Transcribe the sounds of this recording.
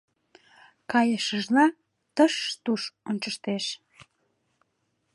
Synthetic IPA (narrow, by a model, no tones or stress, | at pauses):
kɑjəʃəʒlɑ | t̪əʃt̪uʃont͡ʃəʃt̪eʃ